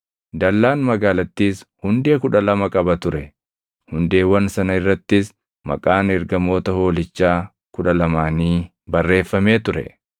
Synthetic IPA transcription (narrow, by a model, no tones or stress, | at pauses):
d̪ɐlːaːnmɐɡaːlɐt̪ːiːshʊnd̪e̞ːkʊᶑɐlɐmɐkʼɐbɐt̪ʊɾɛ | hʊnd̪e̞ːwɐnsɐnɐɪrːɐt̪ːɪs | mɐ̰kʼaːnɛɾɡɐmo̞ːt̪ɐho̞ːlɪt͡ʃːaː | kʊᶑɐlɐmaːniː | bɐrːe̞ːfːɐme̞ːt̪ʊɾɛ̰